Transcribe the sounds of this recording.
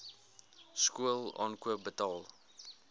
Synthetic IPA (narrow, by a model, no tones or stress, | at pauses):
skuəlˠɑ̰ːnkuəp̚bətɑːlˠ